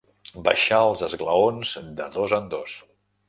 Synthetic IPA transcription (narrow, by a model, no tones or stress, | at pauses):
bə̰ʃaəlˠzəzɣləonzd̪əðozənd̪os